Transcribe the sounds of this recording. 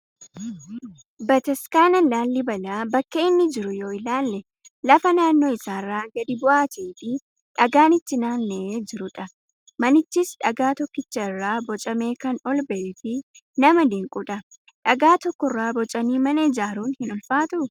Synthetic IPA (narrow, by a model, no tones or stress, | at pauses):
bɐt̪ɛskaːnɐlaːlːɪbɐlaːbɐkːeɪnːɪd͡ʒɪɾʊjo̞ːɪlaːlːɛ | lɐfɐnaːnːo̞ːɪsaːrːaːɡɐd̪ɪbʊʔaːt̪eːfɪ | ᶑɐɡaːnɪt̪ːɪnaːnːɛed͡ʒɪɾʊᶑɐ | mɐnɪt͡ʃːɪsᶑɐɡaːt̪ɔkːɪt͡ʃːɐɪrːaːbɔt͡ʃʼɐme̞ːkɐnɔlbɐʔefɪnɐmɐd̪iŋkʼʊᶑɐ | ᶑɐɡaːt̪ɔkːɔɪrːaːbɔt͡ʃʼɐniːmɐnɐɪd͡ʒaːɾuːnhɪnɔlfaːt̪ɐʔʊ